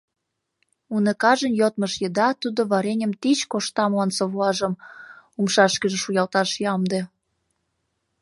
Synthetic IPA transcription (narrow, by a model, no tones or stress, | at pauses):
unekɑʒənjot̪̚məʃjəd̪ɑt̪ud̪oβɑɾenʲə̆mt̪it͡ɕkoʃt̪ɑmlɑnsoβlɑʒəmumʃɑʃkəʒĕʃujɑlt̪ɑʃjɑmd̪e